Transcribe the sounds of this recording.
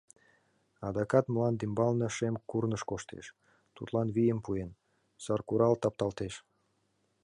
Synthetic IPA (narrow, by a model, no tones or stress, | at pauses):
ɑd̪ɑkɑt̪məlɑnd̪imbɑlnəʃemkurnəʃkoʃt̪ḛʃ | t̪ṵt̪lɑnβijəmpuen | sɑrkuɾɑlt̪ɑp̚t̪ɑlt̪eʃ